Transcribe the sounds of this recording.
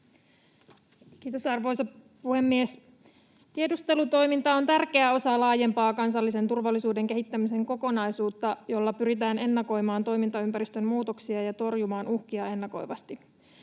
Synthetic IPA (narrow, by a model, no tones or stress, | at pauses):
kiːt̪o̞sɑrʋo̞jsɑ | puhe̞mːies | t̪ie̞dust̪e̞lut̪o̞jmint̪ɑont̪ærkeæo̞sɑlɑːje̞mpɑːkɑnsɑlːise̞nt̪urʋɑlːisuːde̞ŋke̞ɦit̪ːæmise̞ŋko̞ko̞nɑjsuːt̪ːɑjo̞lːɑpyɾit̪æːne̞nːɑko̞jmɑːnt̪o̞jmint̪ɑympæɾist̪ømmuːt̪oksiɑjɑt̪o̞rjumɑːnuhkiɑe̞nːɑko̞̰jʋɑst̪i